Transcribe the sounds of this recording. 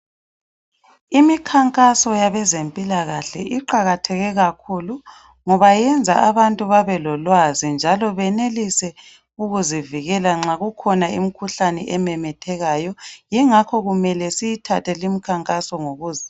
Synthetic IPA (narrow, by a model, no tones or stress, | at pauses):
imikʰaŋkʼasɔjaβɛzempʼilaɣaɬɛ̰ʔiǃaɣatʰɛɣɛɣakʰulu | ŋɔβajɛnd͡zʱaaβantʼuβaβɛlɔlwazind͡ʒʱalɔβɛnelisɛ | uɣuziviɣɛlaŋ͡ǁaɣukʰɔnaḭmikʰuɬanɛʔɛmɛmɛtʰɛɣajɔjɛŋakʰɔɣumɛlɛsijitʰatʰɛlimikʰaŋkʼasɔŋoɣuːzi